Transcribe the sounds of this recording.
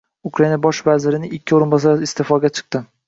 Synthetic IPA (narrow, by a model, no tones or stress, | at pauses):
ʊkɾainabɒʃvazɪɾɪnɪɪkʲʰːɪoɾɪnbɒs̬aɾɪst̪ʰefɒɡʲat͡ʃʰɨ̥q̚t̪ɪ